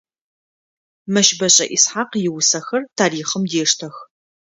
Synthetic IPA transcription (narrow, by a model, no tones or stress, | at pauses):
mɐʃbɐɕʼɐ̰ʔɪsħaːqjɪwʊsɐxɐrtʰaːɾiːχəmdeːʂtʰɐx